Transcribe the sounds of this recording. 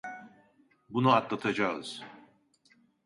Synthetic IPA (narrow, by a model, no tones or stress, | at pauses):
bunuat̪lˠat̪ʰad͡ʒaɯ̰z̥